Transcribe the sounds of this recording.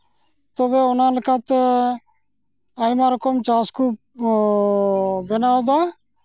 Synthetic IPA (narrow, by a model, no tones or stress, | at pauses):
t̪obeʊnãlɪkat̪ | ajmaɾokomt͡ʃaːsku | benaod̪a